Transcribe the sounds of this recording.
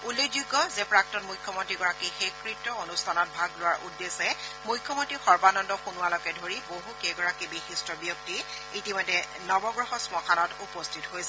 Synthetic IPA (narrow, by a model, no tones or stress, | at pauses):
ulːekd͡ʒuɡːɔzɛpɹak̚tɔnmujkʰːjɔmontɹiɡɔɹakixekɹitːɔonustʰanɔt̚bʱaɡlʊwaɹʔudːesɛmujkʰːjɔmontɹixɔɹbanɔndɔxunuwalɔkɛdʱoɹiboɦukeɡɔɹakibixistɹɔbjok̚ti | itimɔjdɛ | nɔbɔɡɹɔxɔsmɔkʰanɔtupɔstʰitɦojsɛ